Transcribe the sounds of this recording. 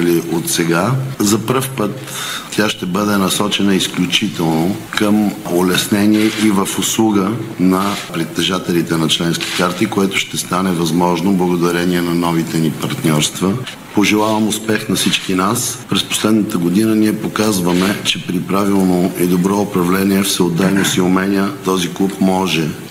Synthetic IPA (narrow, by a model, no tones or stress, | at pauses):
liʔot̪sɛɡazɐpɾəfpət̪ːʲ | aʃt̪ɛbəd̪ɛnɐsɔt͡ʃɛnəisklʲut͡ʃit̪ɛlˠnokəmʊlɛsnɛnʲiɛʔivəfʊslˠuɡənɐpɾɛt̪ːɛʒat̪ɛlit̪ɛnɐt͡ʃlɛnskʲi̥kaɾt̪ikoɛt̪ʊʃt̪ɛst̪anɛvɐzmɔʒnoblˠɐɡod̪ɐɾɛniɛnɐnɔvit̪ɛnipɐɾt̪nʲɔɾst̪və | poʒɛlˠavɐmʊspɛxnɐsit͡ʃkinaspɾɛspo̥slɛd̪nət̪əɡod̪inəniɛpokazvəmɛt͡ʃɛpɾipɾavilˠnoid̪obɾɔʊpɾɐvlɛniɛfsɛod̪ajnosiʊmɛnʲjət̪ɔziklˠupmɔʒɛ